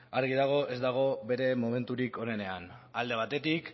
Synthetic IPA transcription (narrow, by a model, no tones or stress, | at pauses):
aɾɣ̞iðaɣ̞o̞ʔe̞zd̪aɣ̞o̞βe̞ɾe̞mome̞nt̪uɾiko̞ne̞ne̞anald̪e̞β̞at̪e̞t̪ik